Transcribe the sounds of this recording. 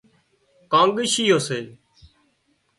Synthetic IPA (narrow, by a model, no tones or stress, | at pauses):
kãːŋɠɪʃiːɦoːseː